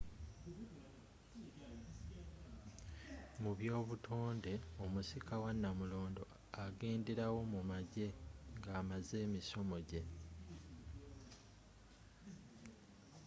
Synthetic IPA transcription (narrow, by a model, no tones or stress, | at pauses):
muβjo̞ːβutʰoːnde̞omusikawanːamulo̞ːndo̞̰ | aɡe̞ːndeɾawo̞mumaɟe̞ŋɡaːmaze̞ːmisomo̞ɟe̞